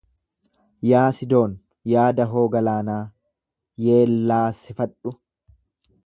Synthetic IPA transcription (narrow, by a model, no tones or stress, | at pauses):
jaːsɪd̪o̞ːn | jaːd̪ɐɦo̞ːɡɐlaːnaː | je̞ːlːaːsɪfɐᶑʊ